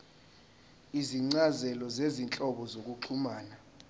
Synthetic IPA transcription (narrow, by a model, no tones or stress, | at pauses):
iziŋ͡ǀazɛlɔzezint͡ɬʼɔɓɔzok̬ʼuǃʰumaːna